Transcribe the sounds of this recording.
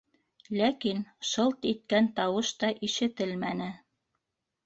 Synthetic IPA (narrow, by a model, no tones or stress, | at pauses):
lækinʃɤlˠt̪it̪̚kænt̪ɑwɤʃt̪ɑʔiʃɘ̆t̪ɘlmænɘ